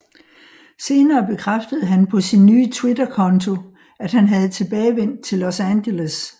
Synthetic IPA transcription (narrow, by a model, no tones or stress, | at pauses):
se̝ːnɐːb̥e̝kʰʁafd̥əð̞̩ˠɦænpʰɒ̽sinːyːt͡sʰwe̝dɐkʰɒ̽nt͡sʰo̝ | æd̥ɦænɦæð̞̩ˠt͡sʰe̝b̥ɛːɪʋen̰d̥̚t͡sʰe̝lːosænɕeles